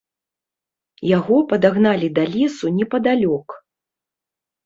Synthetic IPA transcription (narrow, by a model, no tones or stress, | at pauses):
jaɣɔpɐd̪aɣnalʲid̪alʲisunʲɛpɐd̪alʲɔk